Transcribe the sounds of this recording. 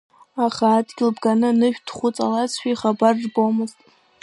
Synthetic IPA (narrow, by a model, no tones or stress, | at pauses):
aχaːdɡʲɪlbɡanɨnɨʃᶣdχʷut͡sʼalat͡sʰʃᶣaiχabarːbomɨztʼ